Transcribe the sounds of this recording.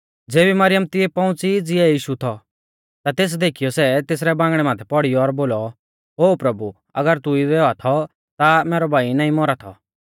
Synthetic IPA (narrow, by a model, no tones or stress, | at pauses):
d͡zeːbimɐɾɪjəmt̪ɪɛpɐ̃ʊ̃t͡sid͡zɪɛjiːʃut̪ʰɔ | t̪at̪eːs̬d̪eːkʰijɔsɛt̪eːs̬ɾɛbãːŋɡɽ̃ɛmãːt̪ʰɛpɔɽijɔːɾboːlɔ | ɦoːpɾɐbu | ɐ̰ɡəɾt̪ʊidɛɔat̪ʰɔ | t̪amɛːɾɔbʱaːinaːĩmɔɾat̪ʰɔ̰